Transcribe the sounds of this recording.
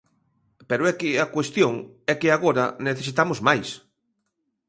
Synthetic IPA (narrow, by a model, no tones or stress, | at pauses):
peɾoɛkɪakwest̪joŋ | ɛkɪaɣoɾɐneθesit̪amozmajs